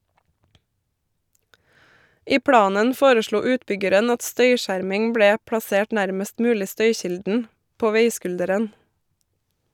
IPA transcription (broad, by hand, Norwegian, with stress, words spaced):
ˈiː ˈpɽɑːnən ˈfoːɾəˌʃɭuː ˈʉːtˌbʏɡəɾən ˈɑt ˈstœʏˌʃæːɾmɪŋ ˈbɽeː pɽɑˈseːʈ ˈnæɾməst ˈmʉːlɪ ˈstœʏˌçɪldn̩ ˈpoː ˈʋeɪˌskʉldəɾən